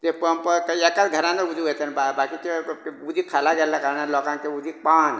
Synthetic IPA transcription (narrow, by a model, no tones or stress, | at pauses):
t̪epəmpəkekat̪ɡʱəɾãneud͡ʒʱiet̪ʰənbabakit̪eud͡ʒ̪ʱikʰalaɡelakaɾanalɔkãkeud͡ʒʱipan